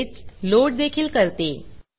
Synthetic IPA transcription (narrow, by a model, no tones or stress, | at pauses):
t͡sloʈ̚d̪ekʰiːlkəɾt̪e